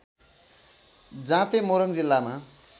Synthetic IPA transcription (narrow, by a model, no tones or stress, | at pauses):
d͡zãt̪emoɾʌŋd͡zilːama